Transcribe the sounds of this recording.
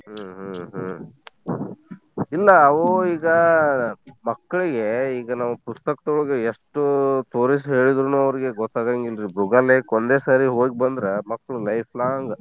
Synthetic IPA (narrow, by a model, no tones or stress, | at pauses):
ɦuɦuɦ | ilːɐːʋuiːɡɐ | mɐkːɐɭiɡe̞iːɡɐnaːʋupust̪ɐkɐt̪uɭɡeeʂʈut̪o̞ːɾis̬ɦe̞ːɭid̪ɾunuːɐʋɐɾiɡe̞ɡɔt̪ːaːɡaŋɡilɾibɾuɡaːleːkond̪e̞ːsaːɾiɦoːk̚bɐnd̪ɾemɐkːɐɭulɐjpʰlaːŋɡ